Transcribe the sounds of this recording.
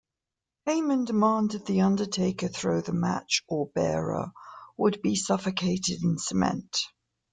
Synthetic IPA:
heɪmə̃ndɪmɑ̃ːˑndɪd̪̚ðiʌ̃ndətʰeɪkəθɹəʊðəma̰t͡ʃəbɛ̰ːɹə̰wəd̚bisʌfəkʰeɪtɪdɪ̃nsəmɛ̰̃nt

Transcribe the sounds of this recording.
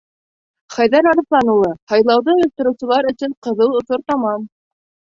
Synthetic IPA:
χæjðæɾɑɾɤ̆θlˠɑnulˠɤhɑjlˠɑwðɤɵ̆lʲt̪ɤ̆ɾɤ̆wsɤ̆lˠɑɾɵ̆sɘɴqɤ̆ðɤw̪ˠŏθoɾt̪ɑmɑn

